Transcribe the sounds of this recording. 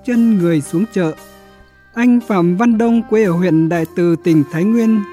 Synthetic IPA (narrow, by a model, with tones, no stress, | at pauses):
t͡ɕə˧nŋɨ˨˩əjsu˨˦əŋt͡ɕə̰ː˧˨ | ʔa˧jŋ̟faː˧˩mva˧nɗə˧wŋ͡mkwʔəː˧˩hwḭ˧˨ənɗa̰ː˧˨jt̪ɨ˨˩t̪ï˨˩ŋ̟t̪ʰaː˨˦jŋwi˧ən